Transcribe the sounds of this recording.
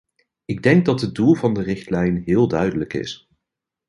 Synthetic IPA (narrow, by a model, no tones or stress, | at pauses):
ɪɡ̚dɛŋɡ̚dɑtɦədulˠvɑndərɪχtlɛjnɦɪːlˠdœɥdələkɪ̰s